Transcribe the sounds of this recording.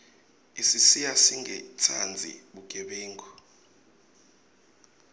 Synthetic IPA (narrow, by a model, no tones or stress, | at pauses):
isisijasiŋɛt͡sʰand͡zʱḭɓuk̬ʼɛɓɛːŋɡʱɔ